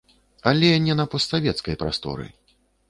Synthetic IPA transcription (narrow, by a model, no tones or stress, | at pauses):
alʲɛnʲɛnɐpɔst̪savʲɛt̪skɐjpɾa̰st̪ɔ̰ɾɨ̰